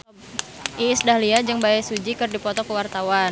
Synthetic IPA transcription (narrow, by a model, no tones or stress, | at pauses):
ʔiːsdahliad͡ʒɨŋbaɛsud͡ʒikɨrdipɔt̪ɔkəwart̪awa